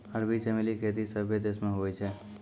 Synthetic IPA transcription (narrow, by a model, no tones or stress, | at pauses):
əɾbisemelikʰeːt̪̬isəbʱed̪esmẽɦoɛt͡ʃʰɛː